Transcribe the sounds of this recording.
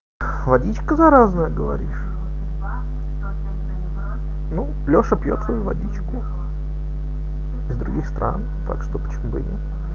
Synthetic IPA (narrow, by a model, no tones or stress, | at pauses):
vɐdʲit͡ɕkəzɐɾaznəjəɡəvɐ̰ɾʲiʂ | nu | lʲo̞ʂəpjot̪svɐjuvɐ̰dʲit͡ɕkʊ | ɪzd̪ɾʊɡʲixst̪ɾʔa̰n | t̪a̰kʂt̪opə̥t͡ɕɪmubɨ̰nʲɪ̰t̪